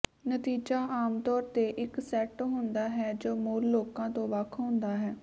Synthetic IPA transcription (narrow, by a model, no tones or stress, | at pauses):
nət̪iːd͡ʒaːʔaːmt̪ɔːɾt̪eːʔɪksɛʈɦʊ̃nd̪aːɦɛːd͡ʒoːmoːɾloːkãːt̪õːʋəkʰɦʊ̃nd̪aːɦɛː